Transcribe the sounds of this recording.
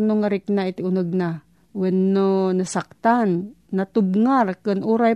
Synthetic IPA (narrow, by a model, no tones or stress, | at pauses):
noŋaɾɪknaɪt̪ɪʊnəɡ̚na | wɛnːonasak̚t̪anːat̪ʊb̚ŋaɾkɨnʔuɾaj